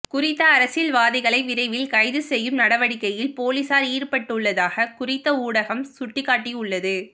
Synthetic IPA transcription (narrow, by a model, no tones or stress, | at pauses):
kʊrɪt̪ːɐːɾɐsɪlʋaːðɪɣɐɭɐɪʋɪɾɐɪʋɪlkɐɪðɯsɛjːɯmnɐɽɐʋɐɽɪkːɐjɪlpoːliːsaːɾiːɾpɐʈːɯɭːɐðaːɣɐkʊrɪt̪ːɐuːɽɐɣɐmsʊʈːɪkːaːʈːiʊɭːɐðɯ